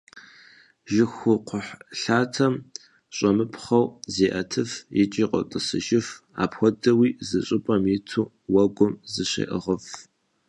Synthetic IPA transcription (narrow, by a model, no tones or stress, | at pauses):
ʒɪxʷʊqʷʊħɬaːtʰɐm | ɕʼɐmɨpʰχɐwzeːʔɐtʰɨfjɪt͡ʃʼiːqʷʼɔ̰tʼɨsɨʒɪfa̰ːpxʷɔdɐwiːzɨɕʼɪpʼɐmjɪtʰuː | wɐɡʷʊmzɨɕḛːʔəʁɐf